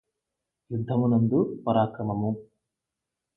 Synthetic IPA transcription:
jud̪ʱːɐmunɐnd̪upɐɾaːkɾɐmɐmu

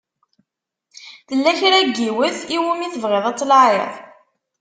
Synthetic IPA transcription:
θəlːæçɾæɡːiwəθiwumiθəvʁeðˤɑt͡sːlaʕḛðˤ

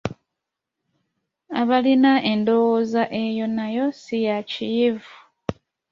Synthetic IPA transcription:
aβalinaʔendo̞wozaʔe̞jo̞najo̞sijacijevu

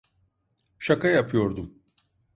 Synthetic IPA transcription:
ʃakajapʰɯjo̞ɾd̪um

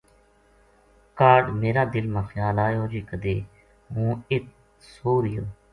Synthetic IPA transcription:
kaːɖmeːɾaːd̪ɪlmãːxʰjaːlaːjoːd͡ʒiːkəd̪eː | ɦũːɪt̪̚ | soːɾɪjoː

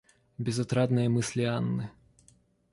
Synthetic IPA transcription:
bʲɪzɐt̪ɾad̪nɨjɐmɨsʲlʲianːɨ

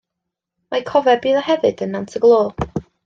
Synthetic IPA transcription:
makʰɔvɛbiːðɔhɛvɨd̥ənːantʰəɡlˠoː

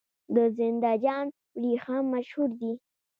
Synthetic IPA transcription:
d̪əzɪnd̪ɑd͡ʒɑn | wɾixɑmːaʃhuɾd̪i

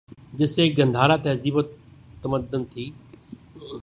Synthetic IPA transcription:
d͡ʒɪseɡə̃nd̪ʱaːɾat̪eːziːbot̪əməd̪ənt̪ʰiː

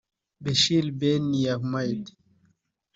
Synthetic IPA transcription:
beʃilbenːijakmajd̪

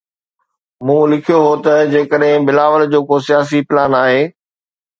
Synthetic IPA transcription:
mũːlɪkʰijoɦot̪ɐd͡ʑeːkəɗɦɪ̃bɪlaːʋəld͡ʑoːkosijaːs̬ipɪlaːnaːɦeː

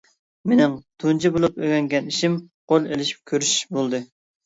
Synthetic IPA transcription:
menɪŋt̪ʰunt͡ʃʰibolˠupøɡʲɛŋɡʲɛniʃim | qolˠelɪʃi̥p̚kʲʰøɾyʃbolˠd̪ɨ

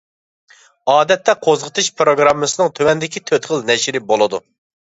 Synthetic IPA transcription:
ɑːd̪ɛt̪ːɛqʰozʁət̪ʰɨʃpɾoɡɾɑmːɨsɨnɨŋt̪ʰøwɛnd̪ɪkʲit̪ʰøt̪χəlnɛʃɾɪbolˠɨd̪u

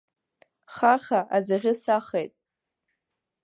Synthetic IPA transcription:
χaχʲaʔad͡zaʁʲɪsaχejtʼ

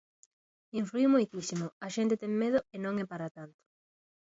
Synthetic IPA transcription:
iɱflujumojt̪isimoaʃent̪et̪eŋmeð̞ʊɪnõŋɛpaɾat̪ant̪o̥

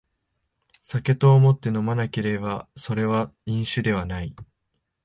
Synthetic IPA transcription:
sake̞t̪o̞ːmo̞t̪ːe̞no̞manake̞ɾe̞baso̞ɾe̞β̞aĩɰ̃ɕɨd̪e̞β̞anai

